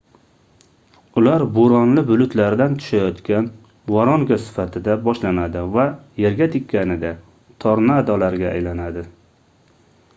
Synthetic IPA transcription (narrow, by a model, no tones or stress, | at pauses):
ʊlaɾbʊɾɒnlɪbʊlʊt̪ʰlaɾd̪ant̪ʰʊ̥ʃajɒt̪kʲan | wɒɾɒŋɡʲasɪ̥fat̪ʰɪd̪abɒʃlanad̪ɪvajeɾɡʲat̪ʰɪkʲːanɪd̪a | t̪ʰɒɾnaːd̪ɒlaɾɡʲaːjlanad̪ɪ